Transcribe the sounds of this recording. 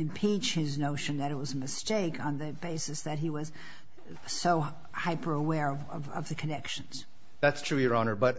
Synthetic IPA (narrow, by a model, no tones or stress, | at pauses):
ɨ̃mpʰit͡ʃhɪznoʊʃɨ̃nðɨɾɨt̚wʌzɨmɨsteɪkn̩ðɨbeɪsɨsðɨt̚ɦiwʌz̥ | soʊ | haɪpə˞əwɛɹʌvʌ̰vʌ̰vðɨkʰɨnɛkʃɨ̃n̩z̥ | ðætstʰɹ̥ʉjə˞ɑnə˞bʌt